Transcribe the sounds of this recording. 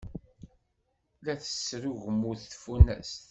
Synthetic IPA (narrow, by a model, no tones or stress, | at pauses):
læθə̥sɾuʝmuθθfunæ̰st̪